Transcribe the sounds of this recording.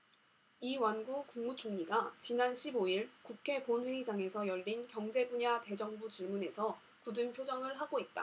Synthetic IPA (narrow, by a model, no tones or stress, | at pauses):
iwanɡukuŋmut͡ɕʰoŋɲiɡat͡ɕinanɕʰiboiɭkukʰe̞ponɸwe̞id͡ʑaŋe̞sʰʌjʌʎːinkjʌŋd͡ʑe̞buɲate̞d͡ʑʌŋbut͡ɕiɭmune̞sʰʌ | kudɯnpʰjod͡ʑʌŋɯɭɦaɡoit̚t͈a̰